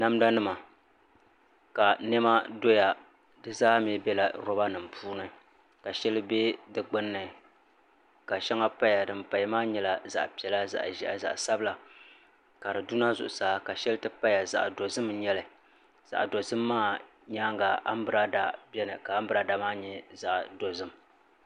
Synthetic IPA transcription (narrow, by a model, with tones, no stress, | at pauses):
na˦m˦da˦nɨ˦ma˨ | ka˨nɛ˦ma˦do˦ja˨ | dɨ˦zaː˦mi˨˦bɛ˦la˨ɾɔ˦ba˦nɨ˨m̩˨pʰuː˦nɨ˨ | ka˨ʃɛ˦lɨ˦be˦dɨ˨ɡ͡bɨ˦nːɨ˨ | ka˨ʃɛ˦ŋa˦pa˦ja˨dɨ˨mpa˨jmaː˦ɲɛ˦la˦za̰˨ʔpi˨ɛ˨la˦za̰˨ʔʒɛ˦a̰˨za̰˨ʔsa˦bɨ˦la˨ | ka˨ɾɨ˨du˦na˦zʊ̰˨ʔʊ˨saː˨˦ka˨ʃɛ˦lɨ˦tɨ˦pa˦ja˨za̰˨ʔdo˨zɨ˦mɲɛ˦lɨ˨ | z̥a̰˨ʔdo˨zɨ˦mːaː˦˨ | ɲaː˦ŋɡa˨ʔa̰˦m˦bɨ˦ɾa˦da˨bjɛ˦nɨ˨ka˨a˦m˦bɨ˦ɾa˨da˨˦maː˦ɲɛ˨za˨ʔdo˨zɨ˦m˨